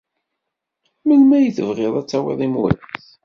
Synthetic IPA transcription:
mənmæjəθəvʁɪðˤæt͡sːɑwḛðˤimwə̰θ

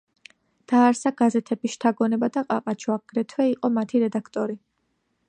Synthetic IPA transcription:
d̪̥aːɾsaɡ̥azɛt̪ʰɛbiʃt̪ʰaɡɔnɛbad̪aqʼa̰qʼat͡ʃʰwaɡ̥ɾɛt̪ʰwɛiqʼɔmat̪ʰiɾɛd̪akʰt̪ʼɔɾi

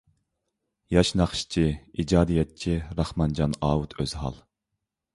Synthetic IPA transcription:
jɑʃnɑχʃt͡ʃʰiid͡ʒɑːd̪ijɛt̪̚t͡ʃʰiɾɑχmɑnd͡ʒɑnɑːut̪ʰøz̥ɦɑ̰lˠ

